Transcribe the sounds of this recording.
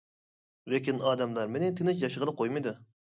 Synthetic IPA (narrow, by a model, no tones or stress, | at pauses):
lekʲinɑːd̪ɛmlˠɑɾmenɪt̪ʰenɪʃ̬jɑʃəʁəlˠəqʰojmɨjd̪u